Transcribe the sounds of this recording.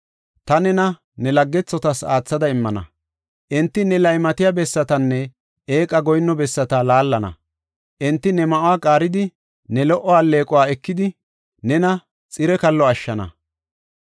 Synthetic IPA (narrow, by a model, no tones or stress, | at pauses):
t̪ɐnɛnɐ | nɛlɐɡːɛt͡sːɔt̪ɐsa̰ːt͡sːɐd̪ɐɪmːɐnɐ̰ | ʔɪnt̪ːɪnɛlɐjmɐt̪ɪjabɛsːɐt̪ɐnːɛ | eːkʼɐɡɔjnːɔbɛsːɐt̪alaːlːɐnɐ̰ | ʔɪnt̪ːɪnɛmɐʔʊwaːkʼaːɾɪd̪ɪ | nɛlɔʔɔaːlːe̞ːkʼɔwaːɛkːɪd̪ɪ | nɛnɐ | t͡sʼɪɾɛkɐlːɔɐʃːɐnɐ̰